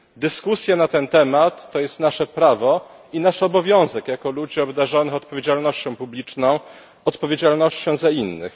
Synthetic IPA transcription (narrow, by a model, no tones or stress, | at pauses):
d̪ɘskusʲjanat̪ɛnt̪ɛmat̪ːɔjɛst̪naʂɛpɾavɔ | inaʂɔbɔvʲjɔ̃w̃zɛkjakɔlud͡ʑiɔbd̪aʐɔnɘxɔt̪pɔvʲjed͡ʑalnɔɕt͡ɕɔ̃w̃publʲit͡ʂnɔ̃w̃ | ɔt̪pɔvʲed͡ʑalnɔɕt͡ɕɕɛ̃w̃zainːɘ̰x